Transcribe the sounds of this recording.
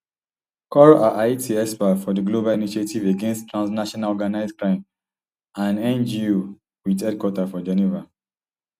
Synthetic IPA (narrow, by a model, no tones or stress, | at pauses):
kɔɹʔaʔaɪtʰiɛspafɔdəɡlobaliniʃetiveɡẽnstːɹãnsnaʃɔnalɔɡanaɪskɹãɪ̃m | ãnɛ̃nd͡ʒio | witɛdkwɔtafɔd͡ʒɛniva